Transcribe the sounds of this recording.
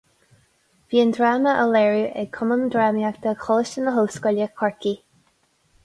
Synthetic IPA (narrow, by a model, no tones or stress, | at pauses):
v̥iːənd̪ɹaːməʔəlɛɹuʔɛkʰʊmənd̪ɹaːmiak̚d̪̥əxʰɔləʃənəɦoːskɔljəkʰɔɹki